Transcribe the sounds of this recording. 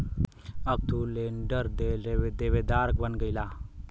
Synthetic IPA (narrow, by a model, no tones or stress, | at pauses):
əɡ̚t̪uleːɳɖəɾd̪eed̪eʋed̪aːɾk̚bənɡəjlaː